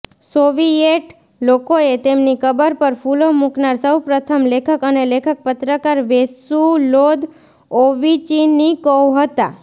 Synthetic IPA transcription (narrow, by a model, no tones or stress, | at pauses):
soʋieʈ | lokoet̪emnikʰəbəɾpəɾfulomuknaɾsəwpɾət̪ʰəmlekʰəkənelekʰək̚pət̪ɾəkaɾʋesulod̪ | oʋit͡ʃinikɔwɦət̪a